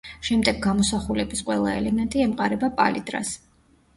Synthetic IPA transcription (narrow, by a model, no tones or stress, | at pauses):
ʃɛmd̪ɛɡːamɔsaχulɛbisqʼwɛlˠa̰ɛlɛmɛnt̪ʼiɛmqʼaɾɛbapʼa̰lḭd̪ɾa̰s